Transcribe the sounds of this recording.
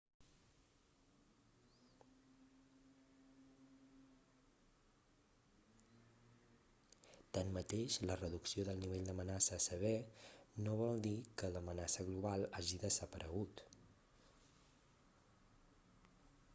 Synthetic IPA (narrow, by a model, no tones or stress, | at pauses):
t̪anmət̪eʃlərəðuksioðəlˠniβeʎd̪əmənasəːsəβɛnoβ̞ɔlˠd̪ikələmənasəɣluβ̞alˠaʒiðəzəpəɾʔəɣ̞ut̪